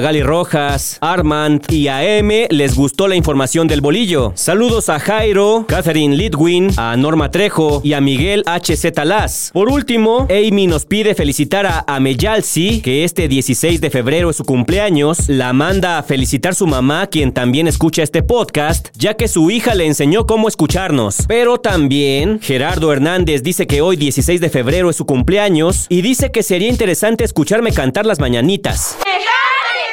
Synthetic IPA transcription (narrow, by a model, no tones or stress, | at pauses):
ɣaliro̞xasaɾmand̪iaeme̞le̞zɣust̪o̞laiɱfo̞ɾmasjo̞nd̪e̞lβo̞liʝo̞saluðo̞saxajɾo̞kaθeɾinlid̪ɣwina̰no̞ɾmat̪ɾe̞xo̞iamiɣe̞lat͡ʃese̞t̪alaspo̞ɾult̪imo̞ejmino̞spiðe̞fe̞lisit̪aɾaʔame̞ʝalsike̞e̞st̪e̞ðje̞sise̞jzðe̞fe̞βɾe̞ɾo̞esukumpleaɲo̞slamãnd̪aːfe̞lisit̪aɾsumamakje̞nt̪ambje̞ne̞skut͡ʃae̞st̪e̞po̞ðkast̪ɟ͡ʝake̞suixale̞ːnse̞ɲo̞ko̞mo̞e̞skut͡ʃaɾno̞spe̞ɾo̞t̪ambje̞nxe̞ɾaɾðo̞e̞ɾnand̪e̞zd̪ise̞ke̞o̞jðje̞sise̞jzðe̞fe̞βɾe̞ɾoesːukumple̞aɲo̞siðise̞ke̞se̞ɾiaint̪e̞ɾe̞sant̪e̞ːskut͡ʃaɾme̞kant̪aɾlazmaɲanit̪a̰s